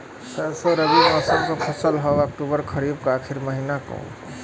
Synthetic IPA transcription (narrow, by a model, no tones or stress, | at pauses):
sɛsəɾəbiɔsəmkəpʰəsəlɦɔak̚ʈubəɾkʰəɾib̚kakʰiɾməɦinakɔ̰̃